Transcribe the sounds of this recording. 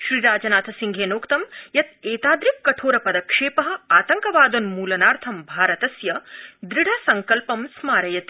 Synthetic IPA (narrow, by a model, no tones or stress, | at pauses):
ʃɾiːɾaːd͡ʒɐnaːt̪ʰɐsiŋɡʱeːnoːkt̪ɐmjɐt̪̚eːt̪aːd̪ɾikːɐʈʰoːɾɐpɐd̪ɐkʂeːpɐɦɐ̆aːt̪ɐŋkɐʋaːd̪onmuːlɐnaːɾt̪ʰɐmbʱaːɾɐt̪ɐsjɐd̪ɾiɽʱasɐŋkɐlpɐmsmaːɾɐjɐt̪i̥